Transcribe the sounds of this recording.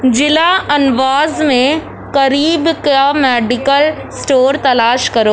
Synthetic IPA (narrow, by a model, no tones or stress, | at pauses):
d͡ʒɪlaɐnʋaːzmẽ | kɐɾiːbkamɛːɖɪkəl | sʈoːɾt̪ɐlaːʃkɐɾoː